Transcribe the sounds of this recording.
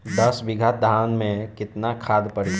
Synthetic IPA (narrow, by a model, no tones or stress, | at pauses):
d̪əsbɪɡʱət̪̚d̪ʱaːwnmẽkɪt̪nakʰaːd̪pəɾi